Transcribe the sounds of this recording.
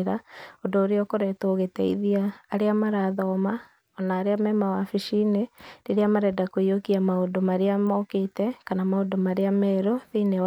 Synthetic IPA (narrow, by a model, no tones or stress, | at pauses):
ɾaondoːɾeɔkoɾɛtoːɣetɛḭðiaːɾeamaɾaðɔma | ɔnaːɾeamɛmawafiʃineɾeɾeamaɾɛdakoiokiamaondomaɾeamɔketɛkanamaondomaɾeamɛɾoðenew